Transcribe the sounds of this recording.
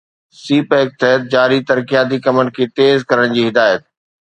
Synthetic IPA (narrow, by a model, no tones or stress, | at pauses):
siːpɦɪk̚t̪ɐɦət̪̚d͡ʑaːɾit̪ɐɾkijaːt̪̬ikɐmən̆kʰeːt̪eːzkɐɾəɽ̃d͡ʑiːɦɪd̪aːjət̪̚